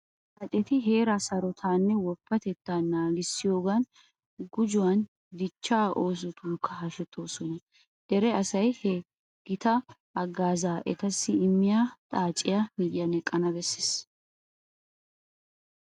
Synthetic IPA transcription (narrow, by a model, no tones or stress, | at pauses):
ʔɐt̪ʼːɛt̪ɪɦeːɾɐsɐɾɔt̪ʰaːnːɛwɔpːɐt̪ɛt̪ːaːnːaːlɪsːɪjo̞ːɡɐn | ɡʊd͡ʒʊwɐn | d̪ɪt͡ʃːaːʔo̞ːs̬ɔt̪uːkʰːɐɦɐʃɛt̪ʰːo̞ːsɔnɐ | d̪ɛɾɛɐsɐjhɛ | ɡ̥ɪt̪ɐː | ɡːaːzaːʔɛ̰t̪ɐsːɪɪmːɪjaːt̪ʼaːt͡ʃʼːɪjamid̪ɪjɐnɛkʼːɐnɐbɛsːɪs